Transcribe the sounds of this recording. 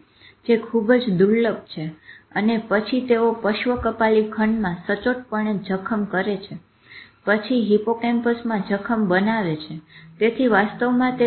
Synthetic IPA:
d͡ʒekʰubd͡ʒd̪uɭləɡ̚t͡ʃʰeənepət͡ʃʰit̪eopəʃʋəkəpalikʰəɳɖmãsət͡ʃoʈ̚pəɳed͡ʒəkʰəmkəɾet͡ʃʰe | pət͡ʃʰiɦipokempəsmãd͡ʒəkʰəmbənaʋet͡ʃʰet̪et̪ʰiʋast̪əʋmãt̪e

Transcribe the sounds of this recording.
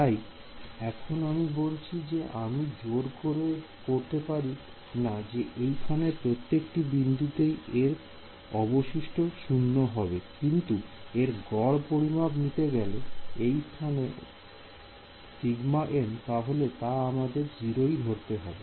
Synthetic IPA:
t̪aj | ɛkʰonamibolt͡ɕʰid͡ʑeʔamid͡ʑoɾkoɾe | koɾt̪epaɾi | nad͡ʑeʔejt̪ʰanepɾot̪ːekʈibind̪ʱut̪ejeɾ | ɔboʃiʃʈʰoʃunːoɦɔbekint̪ueɾɡɔɽpoɾimabnit̪eɡɛloejst̪ʰane | siɡmaʔent̪aɦolet̪aamad̪eɾd͡ʑiɾoid̪ʱoɾt̪eɦɔbe

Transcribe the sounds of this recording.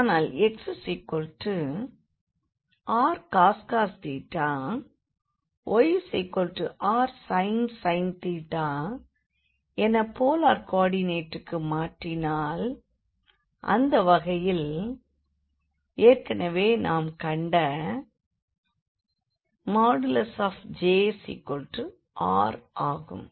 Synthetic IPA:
aːnaːlɛksɯsɛɪkːɔɭʈrɯ | ʔaːɾkaːskaːst̪iːʈːaː | ʔɔjsɛɪkːɔɭʈrɯʔaːɾsɐɪnsɐɪnt̪iːʈːaː | ɛnɐpoːlaːɾkaːɽɪneːʈːɯkːɯmaːʈrɪnaːl | ʔɐ̰nd̪ɐʋɐɣɐjɪl | eːrkɐnɐʋeːnʔaːmkɐɳɖɐ | maːɽɪlɐsaːfd͡ʒeːsḭkːɔlʈɯ | ʔaːɾaːɣɯ̰m

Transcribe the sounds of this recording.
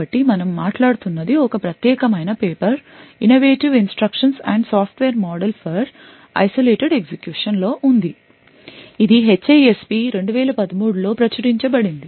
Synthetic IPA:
ɐʈːimɐnɐmːaːʈlaːɽut̪unːɐd̪iɔkɐpɾɐt̪jɛːkɐmɐjnɐpeːpɐɾinoʋeːʈiʋinsʈɾɐkʂɐnsɛːɳɖsaːpʰʈʋɛːɾmɔːɖelpʰɐɾ | ɐ̰jsoleːʈeɖeɡsekjuːʂɐnlo̞ːʔund̪i | id̪iɦet͡ʃːeespiːɾe̞ɳɖuʋɛːlɐpɐd̪ɐmuːɽulo̞ːpɾɐt͡ʃɐɾiɲt͡ʃɐbɐɽind̪i

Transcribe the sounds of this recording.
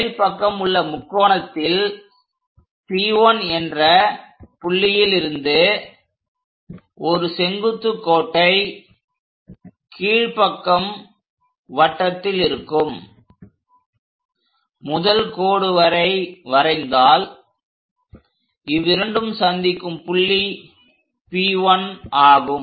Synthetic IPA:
ɻpɐkːɐmɯɭːɐmʊkːoːɳɐt̪ːɪl | siːoːnɛndrɐpʊɭːɪjɪlɪɾɯnd̪ɯ | ɔɾɯsɛŋɡɯt̪ːɯkːoːʈːɐɪ | kiːɻpɐkːɐm | ʋɐʈːɐt̪ːɪlɪɾɯkːɯm | mʊðɐlkoːɽɯʋɐɾɐɪʋɐɾɐɪnd̪aːl | ɪʋɪɾɐɳɖɯmsɐnd̪ɪkːɯmpʊɭːi | piːʋɐnaːɣɯm

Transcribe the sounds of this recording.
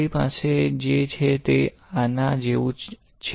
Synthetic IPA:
ipa̰sed͡ʒet͡ʃʰet̪e | anad͡ʒeʋũ | t͡ʃʰ

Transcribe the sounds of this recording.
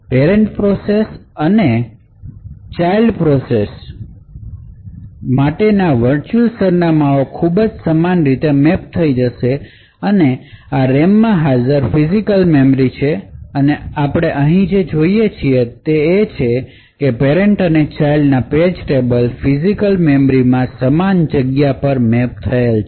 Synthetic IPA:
peɾɛɳʈpɾosesəne | t͡ʃailɖpɾɔses | maʈenaʋəɾt͡ʃulsəɾnamaokʰubəd͡ʒsəmanɾit̪emɛp̚t̪ʰəid͡ʒəʃe | əneaɾemːãɦad͡ʒəɾfizikəlmemɾit͡ʃʰeəneapɽ̃eʔəɦĩd͡ʒed͡ʒoijet͡ʃʰiet̪eːt͡ʃʰe | kepeɾeɳʈənet͡ʃailɖnaped͡ʒʈebəlfizikəlmemɾimãsəmand͡ʒəɡjapəɾmɛp̚t̪ʰəelt͡ʃʰ

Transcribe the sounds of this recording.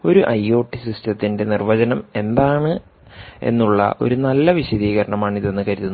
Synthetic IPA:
o̞ɾuʔɐjo̞ːʈːisistɐt̪ːinde̞nirʋɐd͡ʑɐnɐme̞nd̪aːɳɨ | e̞̰nːuɭːɐ̰ʔo̞̰ɾunɐlːɐʋiɕɐðiːɣɐɾɐɳɐmaːɳiðenːɨkɐɾiðunː

